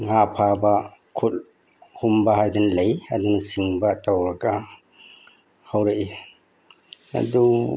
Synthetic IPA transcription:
ŋapʰabɐkʰul̚ | humbɐɦajdɐnlɐjɐ̰dunasiŋbɐtawɾɐɡɐ | hawɾɐʔi | ɐ̰du

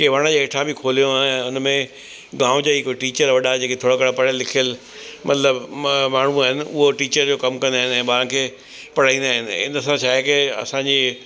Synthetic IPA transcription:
keʋaːɽ̃əd͡ʑeːeːʈʰãbʱikʰoːlijõaːɦʊnmẽ | ɡãːʊ̃d͡ʑaːɦikoːiʈiːt͡ɕəɾʋɐɗad͡ʑeːkʰet̪ʰoːɽakəɽapɐɽəlːɪkʰijəl | mʔɐ̰t̪ləbmaːɳ̤̃ũaːɦɪnɪ̆ʊɦoʈiːt͡ɕəɾd͡ʑoːkɐmkɐ̃nd̪aːɦɪnɪ̆ɛ̃ːbaːɾ̃kʰeː | pɐɽ̤aːĩːnd̪aːɦɪnɪɪ̰nsãʃʰaːɦɪkeɐ̰sãɲd͡ʑeː

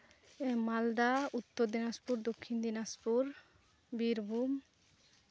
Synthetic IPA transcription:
mald̪aut̪ːoɾd̪inaspuɾd̪okʰːind̪inaspuɾ | biɾbʱum

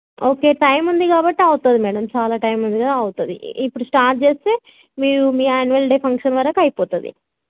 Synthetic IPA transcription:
oːke̞ːʈɐjmund̪ikaːbɐʈːiɐwut̪ud̪imɛːɽɐmt͡ʃaːlaːʈɐjmund̪ikɐd̪aɐwut̪ud̪ḭipːuɽusʈaːɾʈ̚t͡ʃe̞ːst̪e̞ː | miːɾumiːaːnuʋɐlɖeːpʰɐŋkʂɐnʋɐɾɐkɐjipɔːt̪ɐd̪ḭ

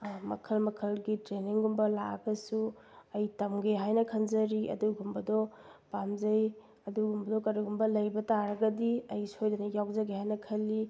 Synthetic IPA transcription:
mɐ̰kʰɐlmɐkʰɐlɡitɾeniŋɡumbɐla̰ɡɐsu | ɐjtɐmɡeɦajnɐkʰɐnzɐɾiʔɐ̰duɡumbɐdɔ | pamzɐj | ɐduɡumbɐdɔkɐɾiɡumbɐlɐjbɐtaɾɐɡɐdiɐjshojdɐnɐjawzɐɡehajnɐkʰɐlːi

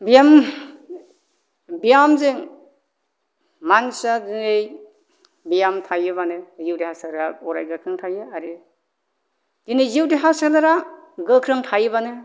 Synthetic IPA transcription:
bijam | bijamzɯŋ | mansadinej | bijamtʰajɯbanɯziwdihasaɾɾaɔɾa̰jɡɯkʰɾɯŋtʰajɯaɾi | dinejziwdiɦasalaɾaɡɯkʰɾɯŋtʰajɯbanɯ

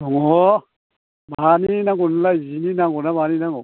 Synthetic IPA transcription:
dɔŋɔ | baninaŋɡɔnlaizininaŋɡunabaninaŋɔ

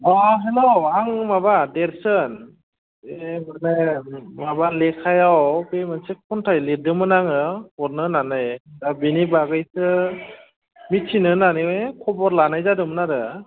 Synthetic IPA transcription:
ɔɦeloaŋmabadeɾsɯn | emɯɾnajmabalekʰajawbemɯnsekʰɔntʰajledɯmɯnaŋɯɔɾnɯnanɯjdabinibaɡɯjsɯ | mit̚sʰinɯnaniwɯjkʰɔbɔɾlanajzadɯmɯnaɾɯ

